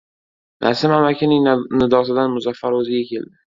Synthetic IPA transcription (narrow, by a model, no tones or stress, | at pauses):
nʔa̰sɪmamakʲʰɪnɪŋnɪd̪ɒsɪd̪anmʊzafːaɾɵzɪɡʲakʲʰe̞̰ld̪ɪ